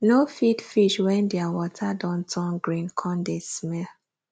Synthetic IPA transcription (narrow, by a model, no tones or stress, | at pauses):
nofidfiʃwɛ̃ndɛawɔtʰadɔ̃ntʰɔ̃nɡɹĩnkʰɔ̃ndesmɛl